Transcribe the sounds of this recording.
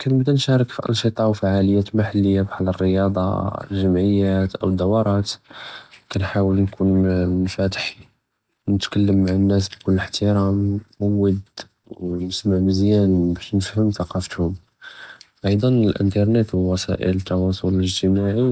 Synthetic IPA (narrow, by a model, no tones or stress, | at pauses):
kænbd̪ænʃɑɾˤəkfiʔɑ̰nʃit̪ˤɑʕwfaʕaləjːæt̪maħalːəjːabħalərːəjɑd̪ˤɑ̰lʒəmʕəjːæt̪ʔə̰wəd̪ːæwɑɾˤɑt̪ | kænħawəlnkunnfæt̪ə̥ħi | nət̪kælːəmːaʕənːæs̬bkʊlːəħt̪əɾæmmwːəd̪ | nəsmaʕməzjænbæʃnəfhəmθɑqɑfət̪hʊm | ʔɑjd̪ˤɑnəlʔə̰nt̪ɑɾˤnet̪wəwɑsæ̰ʔə̰lət̪ːɑwɑsˤʊlələʒt̪əmaʕi